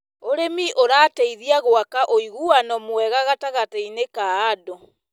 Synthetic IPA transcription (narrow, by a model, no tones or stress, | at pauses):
oɾemiʔoɾaːteiðiaɣoakaʔoiɣuanɔmwɛɣaɣataɣateinekaːdɔ